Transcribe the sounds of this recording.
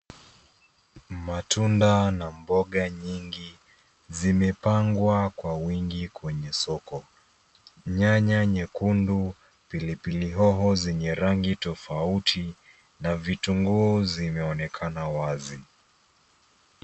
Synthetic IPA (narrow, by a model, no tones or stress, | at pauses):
matʰundanambɔɠaɲiŋɡi | zimɛpaŋɡwakwawiŋɡikwɛɲɛsɔkɔ | ɲaɲaɲɛkundu | pilipiliɦɔɦɔzɛɲɛɾaŋɡitɔfautʰi | navituŋɡuːzimɛɔnɛkʰanawazi